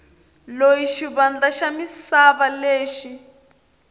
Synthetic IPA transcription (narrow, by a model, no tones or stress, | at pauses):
lojiʃiβand͡ɮaʃamisaβaleːʃi